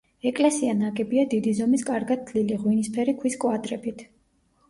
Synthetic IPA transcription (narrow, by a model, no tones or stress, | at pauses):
ɛkʼlɛsianaɡɛbiad̪id̪izɔmiskʼaɾɡad̪̚ʰliliʁwinispʰɛɾikʰwiskʼwad̪ɾɛbit̪ʰ